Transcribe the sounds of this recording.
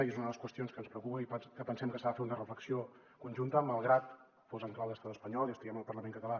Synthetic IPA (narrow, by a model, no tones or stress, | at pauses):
ezunəðəlˠəskwəst̪ijonskənspɾəukupəipkəpənsɛmkəsaðəfeɾunərəfləksio | kunʲʒunt̪əməlˠɣɾat̪ | fozəŋklawðəst̪at̪əspəɲɔlˠiəst̪iɣɛməlˠpərləmẽŋkət̪əla